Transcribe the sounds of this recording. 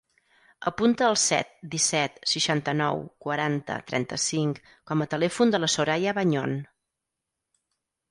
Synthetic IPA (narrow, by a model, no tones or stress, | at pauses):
əpunt̪əːlˠsɛ̰t̪̚d̪isɛt̪səʃant̪ənɔ̰wkwəɾant̪ə̰t̪ɾɛ̰nt̪əsiŋk | kɔmət̪əlɛfund̪ələsoɾajəβaɲon